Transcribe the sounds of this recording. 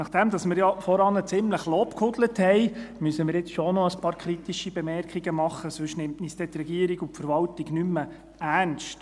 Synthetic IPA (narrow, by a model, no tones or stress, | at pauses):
nɑχd̥ɛmd̥̪ɑsmɪɾjɑfɔɾɑnət͡sɪmləχloːpkhʊdləthɛɪmysəmɪɾjɪt͡sʃonɔəspɑːɾkʰɾit̪iʃib̥ɛmɛrkχiɡəmɑχːəsøʃnɪmtnisd̥̪ɛt̪rɛɡiəɾiɡʊpfəɾʋɑltiɡnymːə | ænʃt